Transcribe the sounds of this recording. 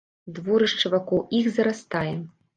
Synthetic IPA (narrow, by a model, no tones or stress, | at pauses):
d̪vɔɾɨʂt͡ʂɐvakɔwʔixzɐɾast̪ajɛ